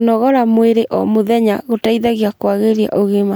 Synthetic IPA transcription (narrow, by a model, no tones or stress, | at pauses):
nɔɣɔɾamweɾeʔʔɔ̰moðɛɲaɣotaiðaɣeakwaɣeɾia̰ʔoɣema